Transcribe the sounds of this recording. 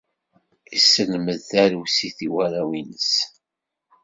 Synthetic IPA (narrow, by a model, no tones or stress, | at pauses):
isːənməðθæɾusiθiwæɾæwinəs